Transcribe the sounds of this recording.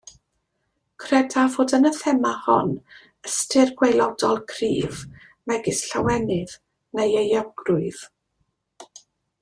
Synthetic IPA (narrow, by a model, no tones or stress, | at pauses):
kʰrɛdavoːdənəθɛmahɔ̰n | əstʰɪrɡwejlˠɔdɔlˠkʰrḭːv | mɛɡɪsɬawɛnɪð | nejejɔɡrʊɨð